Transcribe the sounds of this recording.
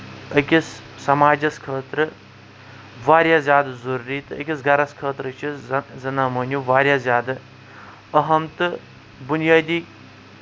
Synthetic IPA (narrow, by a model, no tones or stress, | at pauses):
ɐkʲisːɐmaːd͡ʒɐskʰəːt̪ɾɨ | ʋaːɾjaːzʲjaːd̪zɐɾɾiːt̪ɨə̰kʲisɡʱɐɾɐskʰəːt̪ɾɨt͡ʃʰizɐnaːmɐːnʲjuʋaːɾʲjaːzʲjaːd̪ɨ | ɐɦɐmt̪ɨ | bunjaːd̪iː